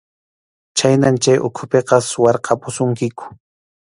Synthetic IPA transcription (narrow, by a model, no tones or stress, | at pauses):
t͡ʃajnamt͡ʃajʔʊ̰kʰʊpeqɑsʊwɑɾqʰɑpʊsʊŋkɪkʊ̥